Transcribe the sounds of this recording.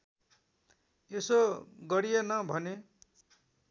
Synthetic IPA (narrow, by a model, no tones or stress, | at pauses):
esoɡʌɽijenʌbʱʌne